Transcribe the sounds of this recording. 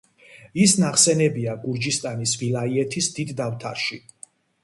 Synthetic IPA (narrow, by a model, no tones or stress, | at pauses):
isnaχsɛnɛbiaɡuɾd͡ʒist̪ʼanisvilˠaiɛt̪ʰisd̪id̪ːaft̪ʰa̰ɾʃi